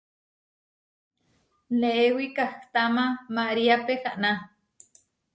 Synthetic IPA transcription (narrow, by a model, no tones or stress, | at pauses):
neʔewikaht̪amamaʔɾiapehaʔna